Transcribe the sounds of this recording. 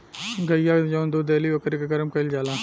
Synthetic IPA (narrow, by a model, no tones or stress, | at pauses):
ɡʱəjad͡ʒoːnd̪uːd̪eːliʋəkɾikeɡəɾəmkəɪld͡ʒaːlãː